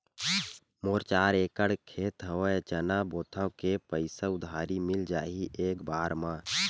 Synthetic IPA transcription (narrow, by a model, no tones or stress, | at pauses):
moːɾt͡ʃaːɾeːkəɽkʰeːt̪ɦəʋet͡ʃənaboːt̪ʰãwkepəɪseʊd̪ʱaːɾimɪld͡ʒaːiʔeːkbaːɾmãː